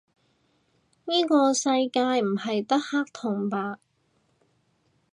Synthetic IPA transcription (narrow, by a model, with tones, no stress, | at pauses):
niː˥kɔː˧sɐ˧jkaː˧jm̩˨˩hɐ˨jt̪ɐ˥k̚haː˥k̚t̪ʰʊ˨˩ŋpaː˧k̚